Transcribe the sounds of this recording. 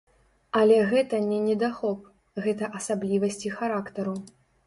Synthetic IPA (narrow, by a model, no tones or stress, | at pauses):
ɐlʲɛɣɛt̪ɐnʲɛnʲɛd̪axɔp̚ | ɣɛt̪ɐʔɐsablʲivɐsʲt͡sʲixaɾakt̪ɐɾu